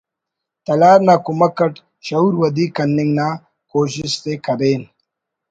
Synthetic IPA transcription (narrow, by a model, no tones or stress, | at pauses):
t̪ɐlaːɾnaːkumɐkːɐʈ | ɕɐuːɾwɐd̪iːkɐnːɪŋɡnaː | koːɕist̪ekɐɾeːn